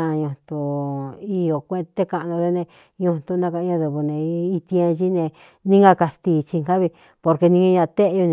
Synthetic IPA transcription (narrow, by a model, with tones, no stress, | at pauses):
ã˧ɲũ˧t̪u˧i˧jo˨kʷẽ˦˧t̪e˦˧ka˧ʔnõ˧ðe˦˧nẽ˧ | ɲõ˧t̪u˧nã˧kã˧ã˧ðu˧βu˧nẽ˧i˧t̪i˧ã˧ʒi˦nẽ˧ | nĩ˦ŋɡa˧ka˧st̪i˧˨t͡ʃi˧ŋka˦βi˧ | po˧ɾke˧nĩ˧ɲã˧ɲã˧t̪e˦ʔjo˧ñ˧